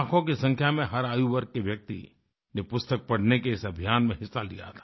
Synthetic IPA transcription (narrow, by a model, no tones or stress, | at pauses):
akʰõk̬isɐ̃ŋkʰjamẽɦɐɾaːjuʋɐɾk̚kːeʋjɐk̚t̪ḭ | nepʊst̪ək̚pɐɽ̤nekeɪsɐbʱijaːnmẽɦɪsːalḭja̰t̪ʰḁ